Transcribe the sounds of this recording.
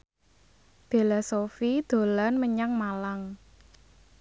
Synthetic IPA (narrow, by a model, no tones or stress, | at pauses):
felasofid̪̥o̤lanməɲaŋmalaŋ